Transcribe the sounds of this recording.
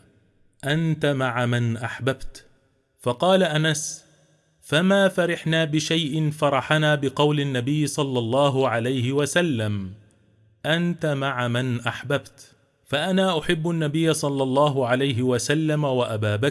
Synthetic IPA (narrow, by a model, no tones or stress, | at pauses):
ʔant̪amaʕamanʔaħbabt̪ | fɑqɑːlaʔanas | famaːfaɾɪħnaːbɪʃajʔɪnfɑɾˤɑħanaːbɪqɑwlɪnːabɪjːɪsˤɑlːɑlˤːɑːɦʊʕalajhɪwasalːam | ʔant̪amaʕamanʔaħbabt̪ | faʔanaːʔʊħɪbːʔanːabɪjːasˤɑlːɑlˤːɑːɦʊʕalajɦɪwasalːamawaʔabaːba